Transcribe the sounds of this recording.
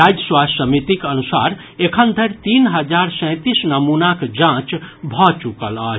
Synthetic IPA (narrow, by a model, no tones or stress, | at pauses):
ɾad͡ʒəswasəmit̪ikənusa̰ɾ | ekʰənd̪ʱəɾt̪inɦəd͡ʒaɾsə̃ɪ̃t̪isnəmunakd͡ʒãt͡ʃbʱɔt͡ʃukələ